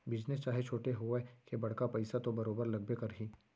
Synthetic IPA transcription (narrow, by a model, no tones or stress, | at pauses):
bɪd͡ʒnɪst͡ʃaːɦet͡ʃʰoːʈeɦoekebɐɽ̤kapɐɪsat̪obɐɾoːbəɾlɐɡ̚bekɐɾɦiː